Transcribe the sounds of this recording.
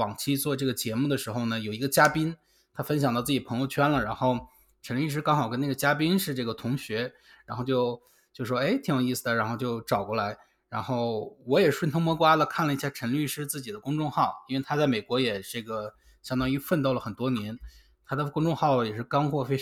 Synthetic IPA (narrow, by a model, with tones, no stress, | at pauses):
ɑ˨˩ŋt͡ɕʰi˥t͡swɔ˥˧ʈ͡ʂɤ˥˩ɡə˩t͡ɕjɛ˧˥mu˥˩d̪ə˩ʂɻ̩˧˥xo˥˧ʊnə˩jo˨˩ʊi˧˥ɡə˧t͡ɕja˥pi˥n | t̪ʰa˥fə˥nɕ̬jŋt̪ɑ˥˧ʊt͡sɹ̩˥˩t͡ɕi˨˩pʰɤ˧˥ŋjo˧ʊt͡ɕʰɥɛ˥nlə˨ɻa˧˥nxo˥˩ʊ | ʈ͡ʂʰə˧˥nly˥˧ʂɻ̩˥kɑ˥ŋxɑ˨˩ʊkə˥na˥˩ɡə˩t͡ɕja˥p̬i˥nʂɻ̩˥˧ʈ͡ʂɤ˥˩ɡə˩t̪ʰʊ˧˥ŋɕɥɛ˧˥ | ɻa˧˥nxʊt͡ɕjo˥˧ʊ | t͡ɕjo˥˧ʊʂʂwɔ˥e˥ɪt̪ʰi˧˥ŋjwɔ˨˩i˥˩s̩˩d̪ə˩ɻa˧˥nxo˧ʊt͡ɕjo˥˩ʊʈ͡ʂɑ˨˩ʊkwɔ˥˩la˧˥ɪ | ɻa˧˥nxo˥˩ʊwɔ˧˥jɛ˨˩ʂwnt̪ʰʊ˥ŋmɔ˧˥kwa˥lə˨kʰa˥˩nlə˩i˥˩ɕja˥˩ʈ͡ʂʰə˧˥nly˥˧ʂɻ̩˥t͡sɹ̩˥˩t͡ɕi˨˩d̪ə˦kʊ˥ŋʈ͡ʂʊ˥˧ŋxɑ˥˩ʊi˥nwe˥˩ɪt̪ʰa˥t͡sa˥˩ɪme˨˩ɪkwɔ˧˥jɛ˨˩ʈ͡ʂɤ˥˩ɡə˩ | ɕjɑ˥ŋt̪ɑ˥ŋy˥fə˥˧nt̪ɑ˥˩ʊlə˩xə˨˩nt̪wɔ˥njɛ˧˥n | t̪ʰa˥d̪ə˨kʊ˥ŋʈ͡ʂʊ˥˧ŋxɑ˥˩ʊjɛ˨˩ʂɻ̩˥˩kɑ˥ŋxwɔ˥˩fe˥ɪ˥